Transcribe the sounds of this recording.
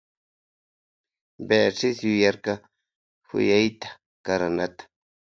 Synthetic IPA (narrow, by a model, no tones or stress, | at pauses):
beʂɪsjʊjɑɾkɑ | hʊ̰jajt̪ḁ | kaɾanat̪ḁ